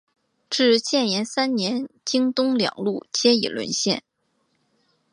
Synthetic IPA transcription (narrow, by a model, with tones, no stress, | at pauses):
ʈ͡ʂɻ̩˥˧t͡ɕjɛ˥˩njɛ˧˥nsa˥nnjɛ˧˥nt͡ɕi˥ŋt̪ʊ˥ŋljɑ̰˨˩ŋlu˥˩t͡ɕjɛ˥ḭ˨˩lwə̰˧˥nɕjɛ˥˩n